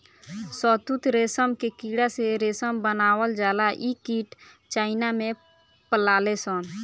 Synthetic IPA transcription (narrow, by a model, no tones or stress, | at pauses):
sɔt̪ut̪ɾesəmkekiɽaseɾesəmbənaːwəld͡ʒaːlaʔikiʈ | t͡ʃaːɪnamẽ | pəlalesən